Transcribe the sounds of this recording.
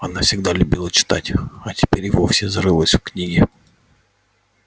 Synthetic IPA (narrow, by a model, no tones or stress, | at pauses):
ɐnafsʲɪɣd̪alʲʊbʲilˠət͡ʃɪ̥t̪a̰tʲɐtʲɪ̥pʲeɾʲʋofsʲɪzɾɪlˠəsʲwknʲiɡʲɪ